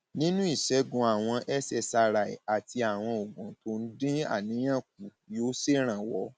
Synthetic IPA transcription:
nĩ˦nũ˦i˦˨ʃɛ˨˦ɡũ˧a˨w̃ɔ̃˧ʔɛ˦sɛ˧˨sa˧ɾa˨ḭ˨a˨ti˧a˨w̃ɔ̃˧o˨ɡɔ̃˨to˧n̩˦dĩ˦a̰˦˨nĩ˨˦j̃ã˦˨k̚u˨ | jo˨˦se˦˨ɾ̃ã˨wɔ˨˦

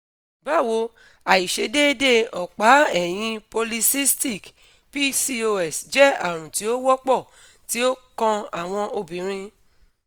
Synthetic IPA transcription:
ba˦˨wo˨˦ | a˨i˨ʃe˨˦de˦de˦˨ɔ˨k͡pa˨˦ɛ˦˨j̃ĩ˧po˧li˧si˦sti˦˨k | pi˦si˧o˧ɛ˦˨sd͡ʒɛ˦a˦˨ɾ̃ũ˨ti˨˦o˦wɔ˦k͡pɔ˦˨ | ti˨˦o˦kã˧a˦˨w̃ɔ̃˧ʔo˧bĩ˨ɾ̃ĩ˧

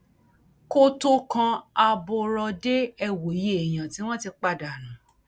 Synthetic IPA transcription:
ko˧to˧kã˧a˧bo˧ɾɔ˧de˦ɛ˧wo˨˦je˦˨e˨j̃ã˨ti˨˦w̃ɔ̃˦ti˧k͡pa˦˨da˨nũ˨˦

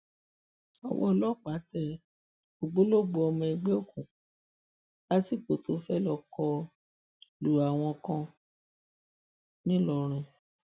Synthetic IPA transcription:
ɔ̰˨wʔɔ̰̃˧lɔ˦˨k͡pa˨˦tɛ˦ | ɡ͡bo˨ɡ͡bo˦lo˦˨ɡ͡bo˧ɔ˧mɔ̃˧i˧ɡ͡be˦o˦˨kũ˨ | la˦ti˦˨k͡po˨to˧˦fɛ˦lɔ˦˨kɔ˧ | lu˨a˨w̃ɔ̃˧kã˧ | nĩ˦lɔ˧˨ɾ̃ũ˧

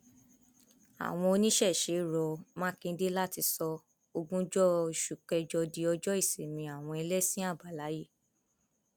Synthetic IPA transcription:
a̰˨w̃ɔ̃˧o˧nĩ˦ʃɛ˦˨ʃe˨˦ɾɔ˧mãː˦kĩ˧n̩˦de˦la˦ti˧sɔ˧ | o˧ɡũ˦d͡ʒɔ˦i˨ʃu˨k͡pɛ˧d͡ʒɔ˧di˧ɔ˧d͡ʒɔ˦i˦˨se˨mĩ˧a˨w̃ɔ̃˧e˧le˦sĩ˦a˦˨ba˨la˨˦ji˦˨

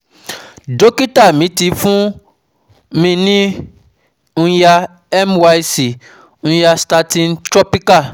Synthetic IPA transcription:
do˦ki˦ta˦˨mĩ˨˦ti˨˦fũ˦ | mĩ˧nĩ˦ | ñ̩˦ja˧ | ɛ˦mwa˦i˦si˨ | ñ̩˦ja˧sta˧tĩ˧ntɾɔ˦pi˦ka˦˨

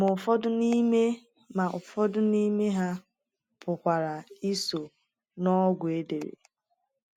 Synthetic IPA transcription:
mʊ˨fɔ˦dʊ˦ni˦me˦ | ma˨ʊ˨fɔ˦dʊ˦ni˦me˦ɦa˦ | pʊ˨kʷa˨ɾa˨i˦so˨ | nɔ˦ɡʷʊ˨e˦de˨ɾḛ˨

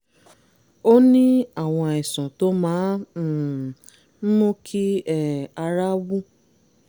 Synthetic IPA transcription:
o˦nĩ˦a˦˨w̃ɔ̃˧ɛ˨sɔ̃˨to˦mãː˨˦˨ | mũ˦kʰi˦ɛ˨a˧ɾa˦wu˦

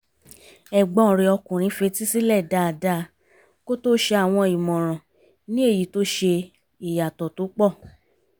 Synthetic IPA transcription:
ɛ˨ɡ͡bɔ̃˨˦˨ɾe˨˧ɔ˧kũ˨ɾ̃ĩ˧˦fe˧ti˦si˦lɛ˦˨da˧˦˨da˧˦ | ko˦to˦ʃe˧a˨w̃ɔ̃˧i˨mɔ̃˨ɾ̃ɔ̃˨ | nĩ˦e˦˨ji˨˦to˦ʃe˧ | i˨ja˨tɔ˨to˨˦k͡pɔ˦˨

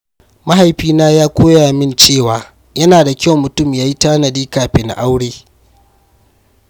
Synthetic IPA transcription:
ma˦ɦa˨jɸiː˦naː˦jaː˦kʷoː˦jaː˨mɪ˦nt͡ʃeː˦˨waː˨ | jɐ˦naː˨da˨kʲa˦˨wmʊ˨tʊ˦˨mjaː˦ji˦taː˦nɐ˨diː˦kaː˨ɸeː˨na̰˨ʔa˦wɽeː˦

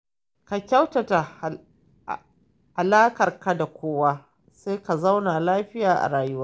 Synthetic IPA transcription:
ka˨kʲa˦wta˨ta˨ | ha˨laː˦kɐ˨rka˦da˨kʷoː˦waː˦ | seː˦ka˨za˦wna˨laː˦ɸɪ˦jaː˨ʔa̰˨ɾaː˨jʊ˦waː˦

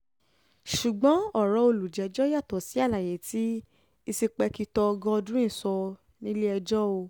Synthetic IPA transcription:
ʃu˨ɡ͡bɔ̃˨˦ɔ˦˨ɾɔ̃˨˧o˧˨lu˨d͡ʒɛ˨˧d͡ʒɔ˦ja˦˨tɔ˨si˨˦a˦˨la˨je˨˦ti˦ | i˧si˧k͡pɛ˧ki˧tɔ˧ɡɔ̃˧ɔ˧dũ˦ĩ˦˨sɔ˧ | nĩ˦le˦ɛ˧d͡ʒɔ˦o˧

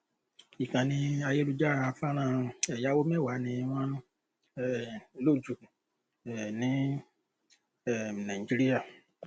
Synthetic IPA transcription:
i˨kã˨nĩ˧a˧je˦lu˧d͡ʒa˦˧fa˦ɾ̃ã˦˨ɛ˨ja˨˦wo˦mɛ̃˦˨wa˨˦nĩ˧w̃ɔ̃˦ | ɛ˦˨˦lo˦˨d͡ʒu˨ | ɛ˨nĩ˨˦ | ɛ˦˨nã˨i˨d͡ʒi˦ɾi˦ja˦˨

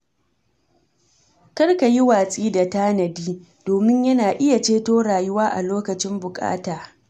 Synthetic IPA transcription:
kɐ˦rka˨ji˦waː˨sʼiː˦da˨taː˦nɐ˨diː˦ | d̥oː˨mɪ˦ɲjɐ˦naː˨ʔɪ˦ja˨t͡ʃeː˦toː˦ɽaː˨jʊ˦waː˦ʔa˨loː˦kɐ˨t͡ʃɪ˦mbʊ˨kʼa̰ː˦taː˨

